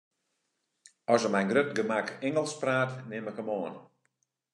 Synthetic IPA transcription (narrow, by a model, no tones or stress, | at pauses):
ɔsəmɛjnɡrøt̚ɡəmakɛŋəlˠspraːtnɪməkəmoən